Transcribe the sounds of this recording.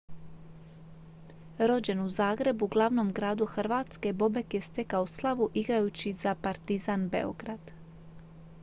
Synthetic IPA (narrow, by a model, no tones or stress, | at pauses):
ɾo̞d͡ʑe̞nuzaːɡɾe̞buɡlˠaʋno̞mɡɾaːd̪uxr̩ʋaːt̪ske̞bo̞be̞kje̞st̪e̞kaoslˠaʋuʔiɡɾajut͡ɕiz̥apaɾt̪izanbe̞̰o̞̰ɡɾad̪̥